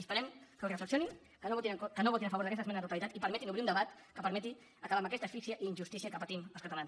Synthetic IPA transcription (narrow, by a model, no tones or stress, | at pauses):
əspəɾɛmkəurəfləksionin | kənoot̪inəkənoβot̪inəfɐβoɾðəkɛst̪əzmɛnðt̪ut̪alit̪at̪ipəɾmɛt̪inuβɾiund̪əβat̪ | kəpəɾmɛt̪i | əkaβaməkɛst̪əsfiksiəʔiːnʲʒust̪isiəkəpət̪iməlˠskət̪alans